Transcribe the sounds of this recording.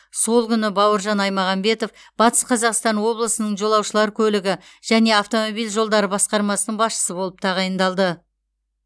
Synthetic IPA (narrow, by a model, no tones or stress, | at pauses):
so̞lˠkʲʏnɪbɑwəɾʒɑnɑjmɑʁɑmbe̞t̪o̞f | b̥ɑt̪ə̥sqʰɑzɑqst̪ɑnwo̞blˠəsənəɴʒo̞lˠɑwʃəlˠɑɾkʲʰɵlɪɡʲɪ | ʒ̥æne̞ɑft̪o̞mo̞bijlʲʒo̞lˠd̪ɑɾəbɑsqɑɾmɑsənəɴbɑsʃə̥səbo̞lˠəp̚t̪ʰɑʁɑjənd̪ɑlˠd̪ə